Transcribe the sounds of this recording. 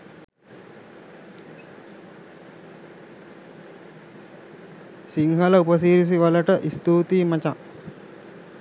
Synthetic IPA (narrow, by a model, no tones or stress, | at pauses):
siŋɦɐlɐupəs̬iːɾis̬iʋaləʈəʔist̪uːt̪iːmɐt͡ʃa